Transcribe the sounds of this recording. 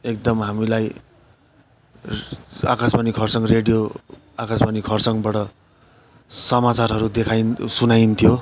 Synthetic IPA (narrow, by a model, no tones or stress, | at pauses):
ek̚d̪ʌmɦamilaj | akasbanikʰʌrsʌŋreɽijo | akasbanikʰʌrsʌŋbaʈʌ | sʌmat͡sarɦʌɾud̪ekʰajnsunajnt̪ʰijo